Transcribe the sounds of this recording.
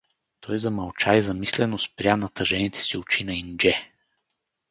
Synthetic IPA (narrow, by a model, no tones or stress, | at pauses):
t̪ʰɔjzɐmɐlˠt͡ʃaizɐmislɛnospɾʲjanɐt̪ɐʒɛnit̪ʰɛ̥siʊt͡ʃinɐind͡ʒɛ